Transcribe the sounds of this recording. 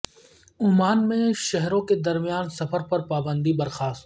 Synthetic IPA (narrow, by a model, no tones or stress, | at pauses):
ʊɦmaːnmẽʃɛɦɾõked̪ɐɾmijaːnsɐfʰəɾpɐɾpaːbə̃nd̪ibɐɾxaːst̪